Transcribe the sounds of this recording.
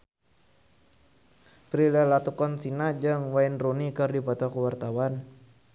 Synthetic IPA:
pɾilɛlat̪ukɔnsinad͡ʒɨŋwainrunikɨrdipɔt̪ɔkuwart̪awan

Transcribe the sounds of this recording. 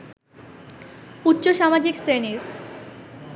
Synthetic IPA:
utːɕoʃamad͡ʑiksɾeneɾ

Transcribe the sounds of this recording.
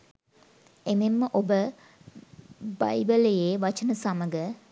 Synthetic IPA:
ememːəʔobə | ba̰jbəlejeːʋɐt͡ʃənəsaməɡə

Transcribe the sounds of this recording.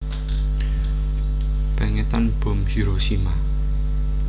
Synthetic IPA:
b̥a̤ŋet̪anb̥ʊ̤mhiɾosima

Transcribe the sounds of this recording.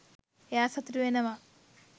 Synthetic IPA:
jaːsɐt̪ɾuenɐma

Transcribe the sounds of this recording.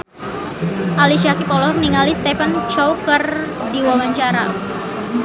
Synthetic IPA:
ʔaliʃakipɔlɔməniŋalist̪efant͡ʃɔwkər | diwawaɲt͡ʃaɾa̰

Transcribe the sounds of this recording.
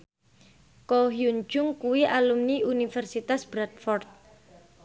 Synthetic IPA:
koɦjuɲd͡ʒʊŋkuwiʔalumniunifɛrsit̪asb̥ɾat̪̚fɔrt̪̚

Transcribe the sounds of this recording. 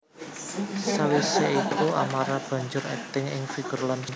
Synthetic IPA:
sawisait̪ua̰maɾab̥ä̤ɲd͡ʒʊɾɛ̰t̪ɪŋɪ̰ŋfiɡ̥ərlan

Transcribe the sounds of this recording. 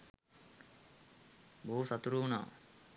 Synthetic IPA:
bousat̪uɾuna̰ː

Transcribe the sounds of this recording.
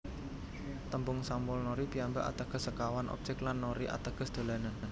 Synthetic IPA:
t̪əmbʊŋsamʊlnoɾipiamba̰ʔa̰t̪əɡ̥ə̤səkawanʔɔ̰p̚t͡ʃɪklanːoɾiʔa̰t̪əɡ̥ə̤sd̪̥o̤lanən

